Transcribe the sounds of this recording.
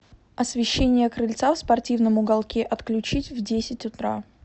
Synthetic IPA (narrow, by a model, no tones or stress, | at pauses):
ɐsvʲɪɕːenʲɪjəkɾɨlʲt̪safspɐrtʲivnəmʊɡɐlˠkʲeʔɐt̪klʲʉt͡ɕitʲvdʲesʲɪtʲʊt̪ɾa̰